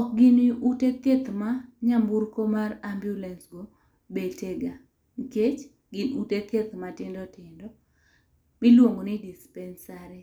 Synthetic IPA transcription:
ɔk̚ɡɪnɪʔuteket̪maɲamburkomarambjulɛnsɡo | beteɡa | ŋiket͡ʃ | ɡɪnuteket̪matɪndɔtɪndɔ | mɪlwoŋɡonɪdispɛnsaɾɛ

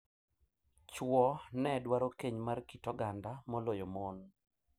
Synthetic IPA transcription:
t͡ʃwɔnɛdwaɾokeɲmarkitɔɡandamɔlojomon

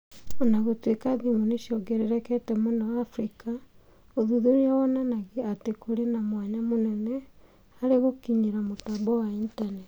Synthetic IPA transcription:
onaɣotwekaðimoneʃjɔɡeɾeɾɛkɛtɛmonawaːfɾika | oðuðuɾiawɔnanaɣeatekoɾenamwaɲamonɛnɛ | aɾeɣokiɲiɾamotambɔwaintanet

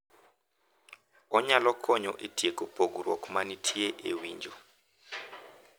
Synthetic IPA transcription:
ɔɲalɔkʰɔɲɔʔitiekopʰoɡuɾɔ̰kmanitʰieʔewiɲd͡ʒɔ

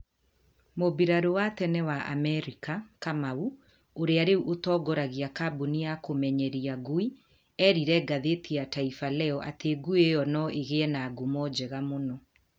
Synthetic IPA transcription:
mobiɾaɾowatɛnɛwaʔa̰mɛɾikakamau | oɾeaɾeuʔotɔːɡɔɾaɣiakabuniakomɛɲɛɾiaɡui | ɛɾiɾɛɡaðetiataifalɛɔʔa̰teɡuejɔnɔʔeɣeɛnaɡumɔd͡ʑɛɣamonɔ

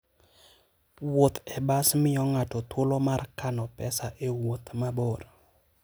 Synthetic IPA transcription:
wot̪ɛbasmɪɔŋatɔt̪wolomarkanɔpɛsaʔewot̪maboɾ

